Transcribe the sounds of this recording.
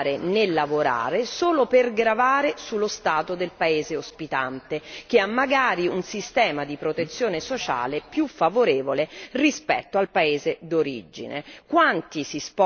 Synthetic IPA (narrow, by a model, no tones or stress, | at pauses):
ɾenelːavoɾa̰ːɾesoːloperɡɾavaːɾesulːost̪aːt̪od̪elpaeːzeospit̪ant̪ekeamːaɡaːɾiunsist̪ɛːmad̪ipɾot̪et̪sːjoːnesot͡ʃa̰ːlepjufːavoɾeːvolerispɛ̰t̪ːoalpaeːzed̪oɾḭd͡ʒːḭnḛkwant̪isispɔ